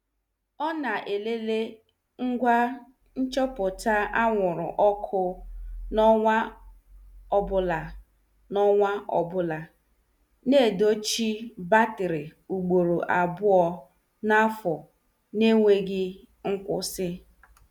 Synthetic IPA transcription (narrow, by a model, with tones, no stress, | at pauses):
ɔ˦na˨ʔe˨le˦le˦ | ŋ̩˦ɡʷa˦ | n̩˦t͡ʃɔ˦pʊ˨ta˦ʔa˦ŋʷʊ˨ɾʊ̰˨ʔɔ˦kʰʊ˦nɔ˦ŋʷa˦ | ɔ˨bʊ˨la˨ | nɔ˦ŋʷa˦ʔɔ̰˨bʊ˦la˨ | ne˦˨do˦t͡ʃi˦ba˦tɪ˨ɾɪ˨u˨ɡ͡bo˨ɾo˨ʔa˨bʊ˦ɔ˨ | na˦fɔ˨ | ne˦ŋʷe˦ɡɪ˦ | ŋ̩˦kʷʊ̰˦sɪ˦